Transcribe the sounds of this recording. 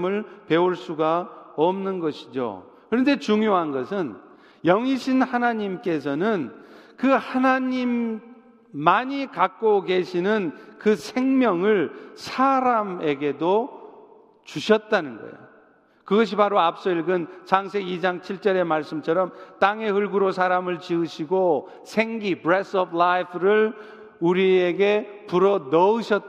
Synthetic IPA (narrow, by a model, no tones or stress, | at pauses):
mɯɭpe̞uɭs͈uɡaʌmnɯnɡʌɕʰid͡ʑo̰ | kɯɾʌnde̞t͡ɕuŋjoɦanɡʌsʰɯn | jʌŋiɕʰinhanaɲimk͈e̞s̬ʰʌnɯnkɯhanaɲimː | aɲikak̚k͈oɡe̞ɕʰinɯnkɯsʰe̞ŋmjʌŋɯɭsʰaɾame̞ɡe̞do | t͡ɕuɕʰʌt̚t͈anɯnɡʌ̰ḛjo | kɯɡʌɕ̬ʰipaɾoap̚s͈ʌiɭɡɯnt͡ɕaŋs̬ʰe̞ɡid͡ʑaŋt͡ɕʰiɭt͡ɕ͈ʌɾe̞maɭs͈ɯmt͡ɕʰʌɾʌmt͈aŋe̞ɦɯɭɡuɾosʰaɾamɯɭt͡ɕiɯɕʰiɡo | sʰe̞ŋɡibɾes͈ʌblajpʰɾɯɭ | uɾieɡe̞puɾʌnʌɯɕʰʌt̚